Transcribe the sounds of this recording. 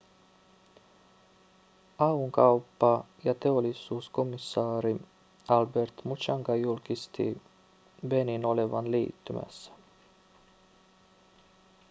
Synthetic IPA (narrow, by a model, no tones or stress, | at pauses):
ɑuŋkɑwpːɑjɑt̪e̞o̞lːisuːsko̞misːɑːɾi | ɑlbert̪mut͡ʃɑŋkɑjulkist̪ḭ | ʋe̞nino̞leʋɑ̰nlḭːt̪ːymæ̰sːæ̥